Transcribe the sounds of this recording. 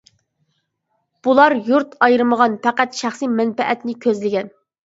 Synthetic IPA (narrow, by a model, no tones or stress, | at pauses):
b̥ulˠɑɾjuɾt̪ʰɑjɾɨməʁɑnpʰɛqæt̪ʃæχsijmɛnpɛʔɛt̪nɪkʲʰøzlɪɡʲɛn